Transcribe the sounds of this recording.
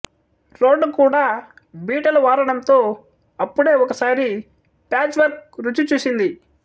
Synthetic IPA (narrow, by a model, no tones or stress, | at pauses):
ɾo̞ːɖːukuːɽaː | biːʈɐlɐʋaːɾɐɳɐnt̪o̞ː | ɐpːuɽe̞ːɔkɐsaːɾi | paːt͡ʃʋɐɾkɾut͡ʃːut͡ʃuːsind̪i